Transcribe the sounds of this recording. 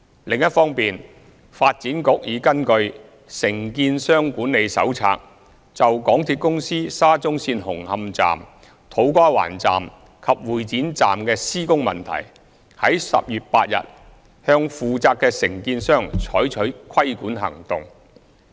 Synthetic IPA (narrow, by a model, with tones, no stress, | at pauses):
lɪ˨ŋjɐ˥t̚fɔː˥ŋpiː˨n | faː˧t̚t͡siː˨˥nkʊ˨˥k̚jiː˨˥kɐ˥nkɵ˧ɥ | sɪ˨˩ŋkiː˧nsœː˥ŋkuː˨˥nːe˨˧jsɐ̰˨˥wt͡sʰa̰ː˧k̚ | t͡sɐ˨wkɔː˨˥ŋt̪ʰiː˧t̚kʊ˥ŋsiː˥saː˥t͡sʊ˥ŋsiː˧nhʊ˨˩ŋhɐ˧mt͡sa̰ː˨m | t̪ʰo˨˥wkɔː˥wa̰ː˨˩nt͡sa̰ː˨m | kʰɐ˨p̚wuː˨jt͡siː˨˥nt͡sa̰ː˨mkɛː˧siː˥kʊ˥ŋmɐ̰˨nt̪ʰɐ̰˨˩j | hɐ˨˥jsɐ̰˨p̚jyː˨t̚paː˧t̚jɐ̰˨t̚ | hœː˧ŋfuː˨t͡saː˧kːɛː˧sɪ˨˩ŋkiː˧nsœː˥ŋt͡sʰɔː˨˥jt͡ʃʰɵ˨˥ɥkʰɐ˥jkuː˨˥nhɐ̰˨˩ŋt̪ʊ˨ŋ